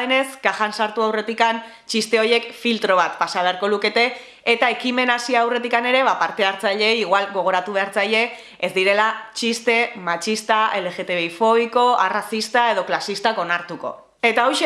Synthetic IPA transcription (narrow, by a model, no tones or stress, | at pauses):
ene̞skaxansaɾt̪uawre̞t̪ikan | t͡ʃist̪e̞o̞je̞kfilt̪ɾo̞β̞at̪pasaβ̞e̞aɾko̞luke̞t̪e̞ː | t̪ae̞kime̞nasiaawre̞t̪ikane̞ɾe̞βapaɾt̪e̞aɾt͡saʎe̞jiɣwalɣo̞ɣ̞o̞ɾat̪uβe̞aɾt͡saʎe̞ː | zd̪iɾe̞lat͡ʃist̪e̞mat͡ʃist̪aʔe̞le̞ɣe̞t̪e̞βeifo̞βiko̞arasist̪ae̞ð̞o̞klasist̪ako̞naɾt̪uko̞̰ | e̞t̪ao̞jʃe